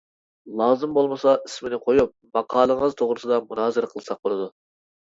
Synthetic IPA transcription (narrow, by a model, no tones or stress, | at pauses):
lˠɑːzɨmbolˠməsɑʔismɪnɪqʰojup̚mɑqʰɑːlˠəŋəzt̪ʰoʁɾɨsɨd̪ɑmunɑːzɨɾqʰəlˠsɑq̚bolˠɨd̪u